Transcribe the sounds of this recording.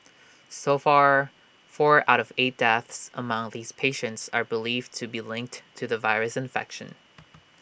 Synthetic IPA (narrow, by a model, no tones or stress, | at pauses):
soʊfɑɹ | fɔɹa̰ʊɾʌveɪt̚d̥ɛθsə̰mʌ̃ŋðiz̥pʰeɪʃɨ̃ntsə˞bəlivtʰɨbilɪ̃ŋk̚ttʰɨðəvaɪɹɨsɨ̃ɱfɛ̰kʃɨ̃n